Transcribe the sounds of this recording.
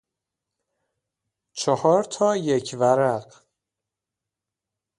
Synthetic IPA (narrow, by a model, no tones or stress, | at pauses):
t͡ʃʰɒhɒːɾt̪ʰɒːjecʰvæɾæɢ